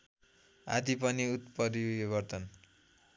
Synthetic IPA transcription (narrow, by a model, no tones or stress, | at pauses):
a̰d̪ipʌniut̪pʌɾibʌrt̪ʌn